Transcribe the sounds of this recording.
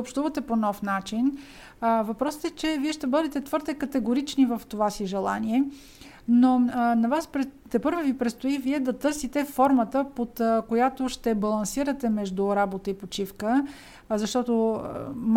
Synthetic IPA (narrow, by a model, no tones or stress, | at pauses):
opʃt̪uvət̪ɛponɔfnat͡ʃin | vɐpɾɔsə̥t̪ɛt͡ʃɛviɛʃt̪ɛbɤd̪ɛt̪ɛt̪vɤɾd̪ɛkət̪ɛɡoɾit͡ʃnivəft̪ovasiʒɛlˠa̰niɛ | nonɐvaspɾɛt̪ɛpɤɾvəvipɾɛt̪st̪oiviɛd̪ɐt̪ɤɾsit̪ɛfɔɾmət̪əpot̪kojat̪oʃt̪ɛbɐlˠɐnsiɾət̪ɛmɛʒd̪ʊɾabot̪əipot͡ʃifkə | zɐʃt̪ɔt̪o̰m